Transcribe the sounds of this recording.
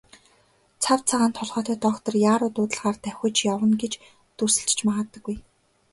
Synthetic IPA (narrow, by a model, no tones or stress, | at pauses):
t͡sʰawt͡sʰaʁaːnt̪ʰɔɮʁœːt̪œːt̪ɔːχt̪ɞ̆rjaːɾʊːt̪ʊːt̪ə̆ɮʁaːrt̪æwxʲʊ̆t͡ɕjawə̆nɡet͡ɕ | t̪ɵsɘ̆ɬt͡ɕt͡ɕmaʁə̆t̪ːə̆ɡuj